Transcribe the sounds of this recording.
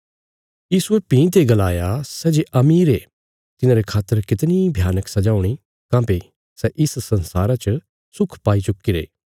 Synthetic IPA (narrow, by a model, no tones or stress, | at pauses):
jiːsuepĩːt̪̬eɡɐlaːjasɛːd͡ʒeʔɐmiːɾe | t̪ɪnãːɾekʰaːt̪ːəɾkɪt̪nibʱjaːnəksɐd͡ʒaːuɽ̃i | kãːpe | sɛʔɪssɐnsaːɾat͡ʃə | sʊkʰpaːit͡ʃʊkːiɾḛː